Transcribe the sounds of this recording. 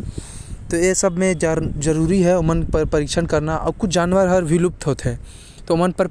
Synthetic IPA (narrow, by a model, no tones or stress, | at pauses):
t̪oːjesɐbʱmẽd͡ʒɐɾuːɾiɦɛʊmənpəɾpɐɾiːkʃʰənkɐɾnaʔɔːɾkʊt͡ʃʰd͡ʒaːnʋəɾɦɐɾbʱilʊp̚t̪ɦoːt̪ɦɛ̃ː | t̪oʊmənpɐɾ